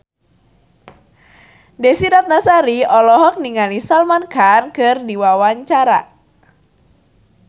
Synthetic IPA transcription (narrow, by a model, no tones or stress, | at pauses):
desiɾat̪̚nasaɾiɔlɔɦɔk̚niŋalisalmankankɨrdiwawaɲt͡ʃaɾa̰